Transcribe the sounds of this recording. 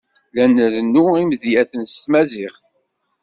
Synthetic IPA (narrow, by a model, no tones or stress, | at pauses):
lænəɾənːuimðjæθənst̪mæzɪχθ